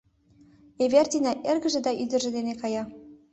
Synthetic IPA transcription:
eβert̪ʲinɑʔerɣə̆ʒĕd̪ɑʔyd̪ə̆ʒĕd̪enekɑjɑ

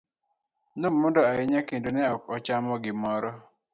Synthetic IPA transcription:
nomːɔndɔaɪɲakendonɛɔkɔt͡ʃamɔɡɪmɔɾɔ

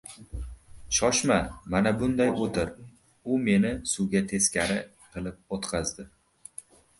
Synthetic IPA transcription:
ʃɒʃmamanabʊnd̪ajot̪ʰɪɾ | ʊme̞nɪsʊɡʲat̪ʰe̞skʲʰaɾɪ | qʰɨlˠɪp̚ot̪qʰɑzd̪ɪ

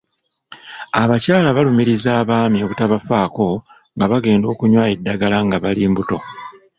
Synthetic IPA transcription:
aβacaːlaβalumiɾizaːβaːmio̞βutaβafaːko̞ | ŋɡaβaɡe̞ːndo̞ːkuɲwaːe̞dːaɡalaŋɡaβaliːmbuto̞

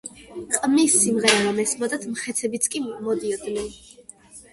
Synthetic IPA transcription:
qʼmisːimʁɛɾamamɛsmɔd̪at̪ʰmχɛt̪sʰɛbit̪sʰkʼimɔd̪iɔd̪nɛn

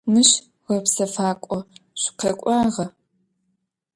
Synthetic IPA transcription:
mɨɕ | ʁɐpsɐfaːkʷʼɔɕqekʷʼɑːʁɐ

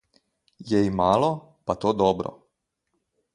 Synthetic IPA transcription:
jɛimaːlɔ | pat̪oːd̪ɔːbɾɔ̰

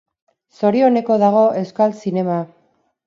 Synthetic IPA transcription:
so̞ɾio̞ne̞ko̞ð̞aɣ̞o̞ʔe̞wskalsine̞ma

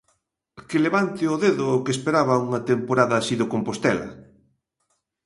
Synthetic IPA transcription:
kɪleβant̪ɪoðeðʊːkespeɾaβɐuŋɐt̪empoɾaðɐsiðokompost̪ɛlɐ̰

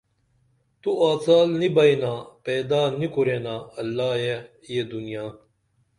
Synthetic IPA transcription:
t̪uaːt͡saːlnibɐinaːpeːd̪aːnikuɾeːnaːɐlːaːje | jeːd̪unijaː

